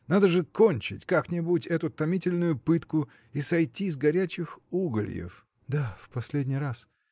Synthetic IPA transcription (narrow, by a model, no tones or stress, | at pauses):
nad̪əʐɨkonʲt͡ɕɪ̰tʲkaknʲɪbutʲɛt̪ʊt̪ɐmʲitʲɪlʲnʊjʊpɨt̪kʊ | isɐjtʲizɡɐɾʲæt͡ɕɪxuɡəlʲjɪ̰f | d̪afpɐsʲlʲedʲnʲijɾas